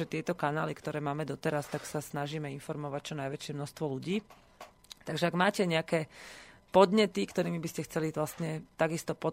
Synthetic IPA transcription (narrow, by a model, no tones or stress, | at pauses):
ɛt̪ɪɛt̪ɔkanaːlikt̪ɔɾɛːmaːmɛd̪ɔt̪ɛɾast̪aksasnaʒiːmɛinfɔɾmɔʋac̚t͡ʃɔnajʋɛt͡ʃɪɛmnɔst̪ʋɔluɟiː | t̪aɡʒɛaɡmaːcɛɲɛakɛːpɔd̪ɲɛt̪ikt̪ɔɾiːmibiscɛxt͡sɛliʋlasɲɛt̪aɡist̪ɔpɔ